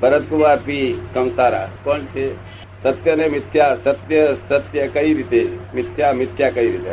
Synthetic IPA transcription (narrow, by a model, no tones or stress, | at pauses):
bəɾət̪̚kuʋaːɾpikɐmsaːɾa̰pəɳt͡ʃe | sɐt̪jənemɪt̪ʰjasɐt̪jəsət̪jəkəiɾit̪emɪt̪jamɪt̪ʰjakəiɾit̪ḛ